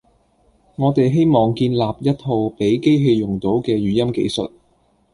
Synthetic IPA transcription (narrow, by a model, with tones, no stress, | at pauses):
ŋɔː˨˧t̪e˨jɦe˥jmɔː˨ŋkiː˧nlaː˨p̚jɐ˥t̚ho˧wpe˨˥jke˥jɦe˧jjʊ˨˩ŋt̪o˨˥wkɛː˧ɥyː˨jɐ˥mkḛ˧jsɵ̰˨t̚